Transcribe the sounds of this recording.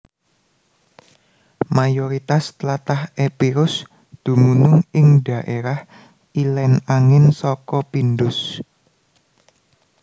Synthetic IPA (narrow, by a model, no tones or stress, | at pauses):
majoɾit̪ast̪lat̪ahepiɾʊs | d̪̥ṳmunʊŋɪŋɖ̥ä̤ʔeɾah | ilɛnaŋɪnsɔkɔpinɖʊs